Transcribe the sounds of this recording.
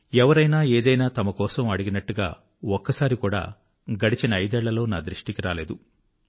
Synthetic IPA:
ɛʋɐɾɐjnaːeːd̪ɐjnaːt̪ɐmɐkɔːsɐmɐɽiɡinɐʈːuɡa̰ː | ɔkːɐsaːɾikuːɽa̰ː | ɡɐɽit͡ʃinɐɐjd̪ɛːɭːɐlo̞ːnaːd̪ɾiʂʈikiɾaːlḛːd̪u

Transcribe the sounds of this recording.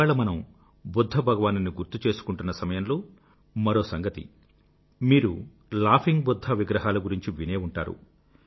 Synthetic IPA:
aːɭɐmɐnɐm | bud̪ʱːɐbʱɐɡɐʋaːnɐniɡuɾt̪ut͡ʃe̞ːsu̥kuɳʈunːɐsɐmɐjɐmloː | mɐɾo̞ːsɐŋɡɐt̪ḭ | miːɾu | laːpʰiŋɡbud̪ʱːɐʋiɡɾɐɦaːlɐɡuɾiɲt͡ʃiʋine̞ːuɳʈa̰ːɾṵ

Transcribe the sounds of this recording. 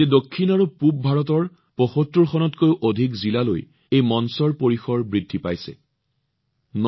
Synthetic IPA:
ɛdokʰːinaɹupup̚bʱaɹɔt̬ɔɹ | pɔxotɹuɹxɔnɔtkojʊʔodʱikzilalo̰j | ejmɔnsɔɹpoɹixɔɹbɹidʱːipajsɛ̰ | n

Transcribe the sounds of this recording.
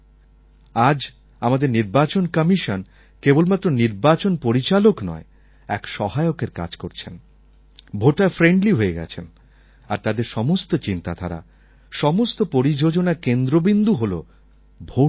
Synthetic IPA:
ad͡ʑ | amad̪eɾniɾbat͡ɕonkəmiʃon | kebolmat̪ːɾoniɾbat͡ɕonpoɾit͡ɕaloknɔ̰e | ɛkʃɔɦaeokeɾka̰d͡ʑkoɾt͡ɕʰen | bʱoʈːafɾeɳɖliɦoeɡɛ̰t͡ɕʰen | aɾt̪ad̪eɾʃɔmost̪ot͡ɕint̪ad̪ʰʱaɾa̰ | ʃɔmost̪opoɾid͡ʑod͡ʑonakend̪ɾobind̪uɦolo̰ | bʱo

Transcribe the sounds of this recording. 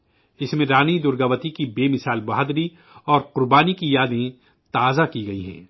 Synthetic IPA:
ɪsmẽɾaːnid̪ʊɾɡəʋət̪ikibeːmɪsaːlbɐɦaːd̪ɾi | ɔːɾqʊɾbaːnikijaːd̪ẽ | t̪aːzakiɡɐḭɦɛ̰̃ː

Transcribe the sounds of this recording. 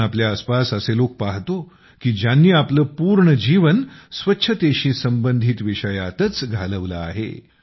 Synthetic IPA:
apljaːspasəselok̚paɦt̪o | kiːd͡ʑanːiapləːpuːɾɳəd͡ʑiʋənsʋətːɕʰət̪eɕiːsəmbənd̪ʱit̪ʋiʂəjat̪ət͡sɡʱaləʋla̰aɦḛ

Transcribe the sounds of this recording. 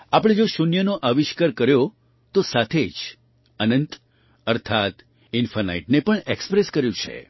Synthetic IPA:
apəɽ̃ed͡ʒoʃunjənoʔaʋiʃkəɾkəɾjo | t̪osat̪ʰed͡ʒ | ənənt̪ | əɾt̪ʰat̪ | infəna̰iʈnepəɳekspɾeskəɾjũt͡ʃʰḛ

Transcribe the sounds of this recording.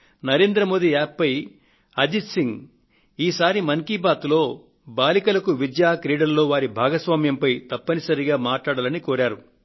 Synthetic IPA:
nɐɾe̞ːnd̪ɾɐmo̞ːd̪iaːpːɐj | ɐd͡ʒisiŋɡ | iːsaːɾimɐŋkibaːt̪lo̞ː | baːlikɐlɐkuʋid̪jaːkɾiːɽɐɾlo̞ːʋaːɾibʱaːɡɐsʋaːmjɐmpɐjt̪ɐpːɐnisɐɾiɡaːmaːʈlaːɽɐlɐnikoːɾaːɾu

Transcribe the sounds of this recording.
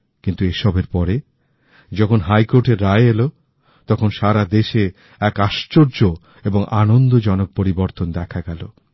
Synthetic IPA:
kint̪ueʃɔbeɾpɔɾe | d͡ʑɔkʰonɦajkoɾʈeɾːaeelo | t̪ɔkʰonʃaɾad̪eʃe | ɛkaʃt͡ɕoɾd͡ʑo | eboŋʔanond̪od͡ʑɔnok̚poɾiboɾt̪ond̪ɛkʰaɡɛlo

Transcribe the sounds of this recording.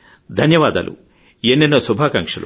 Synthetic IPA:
d̪ʱɐnjɐʋaːd̪ɐ̰lʔṵ | jenːinːɐsubʱaːkɐŋkʂɐlu

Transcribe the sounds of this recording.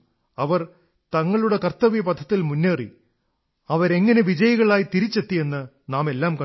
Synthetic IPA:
ɐʋɐr | t̪ɐŋːɐɭuɽe̞kɐrt̪ːɐʋijɐpɐd̪ʱːɐt̪ːilmunːeːrḭ | ɐʋɐɾe̞ŋːɐne̞ʋid͡ʑɐjɐɣɐɭaːjit̪iɾit͡ɕːe̞t̪ːie̞nːɨ | naːme̞lːaːmkɐ

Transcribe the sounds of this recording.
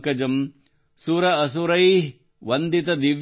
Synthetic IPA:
kɐd͡ʒɐm | suːɾɐɐsuɾɐjɦ | ʋɐnd̪it̪ɐd̪iʋ

